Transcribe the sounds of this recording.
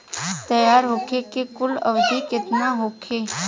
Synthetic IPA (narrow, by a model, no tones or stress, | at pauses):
t̪ɐjaːɾɦokʰekekʊlə̰ʋd̪ʱikɪt̪naɦokʰeː